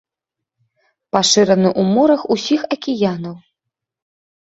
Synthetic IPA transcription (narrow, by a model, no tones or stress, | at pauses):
paʂɨɾɐnɨʔumɔɾɐxusʲixɐkʲijanɐw